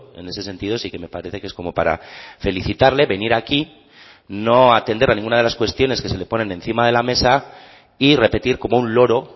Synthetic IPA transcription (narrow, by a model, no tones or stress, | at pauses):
e̞̰ne̞se̞s̬e̞nt̪iðo̞sike̞me̞paɾe̞θe̞ke̞sko̞mo̞paɾa̰fe̞liθit̪aɾle̞βe̞niɾaki | no̞at̪e̞nd̪eɾanĩŋɡunaðelaskwest̪jo̞ne̞ske̞se̞le̞po̞ne̞nẽ̞nθimað̞e̞lame̞sa | ire̞pe̞t̪iɾko̞mo̞unlo̞ɾo̞